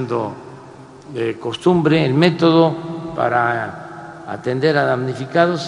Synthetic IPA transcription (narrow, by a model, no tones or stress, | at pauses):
nd̪o | ekost̪umbɾeːlmet̪oðopa̰ɾa | a̰t̪end̪e̞ɾaðamnifikaðos